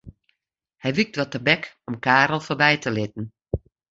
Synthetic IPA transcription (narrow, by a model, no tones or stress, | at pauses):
hɛjʋik̚dʋɔtərbɛkɔmkaːrlˠforbɛjtʰəlɪt̚n̩